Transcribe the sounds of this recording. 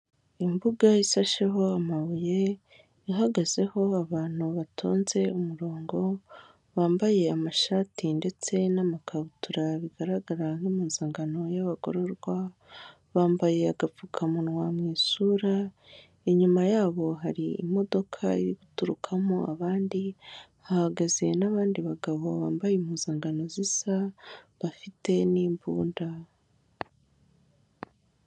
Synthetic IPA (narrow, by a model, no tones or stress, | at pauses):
imbuɡaisaʃeɦo̞amaβuje̞ | iɦaɡaze̞ho̞aβaːn̥huβatʰo̰ːnze̞umuɾo̞ːŋɡo̞ | βaːmbaje̞amaʃaːtinde̞t͡se̞namakʰaβutuɾaβiɡaɾaɡaɾanumuːnzaːŋɡano̞jaβaɡo̞̰ɾo̞ɾɡwa | βaːmbaje̞aɡaukʰamunwamŋiːsuɾa | eɲumajaːβo̞ɦaɾḭːmo̞do̞kʰaiɾiβutuɾukʰamoaβaːndi | ahaɡaze̞naβaːndiβaɡaβo̞βaːmbajemuːnz̥aːŋɡano̞zisaβafite̞niːmbuːnda